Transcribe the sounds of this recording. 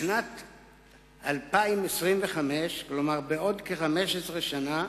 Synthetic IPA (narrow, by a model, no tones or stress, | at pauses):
ʃnat̪ | alpaimesʁimve̞χame̞ʃklo̞maʁbeo̞dkeχame̞ʃesʁeʃana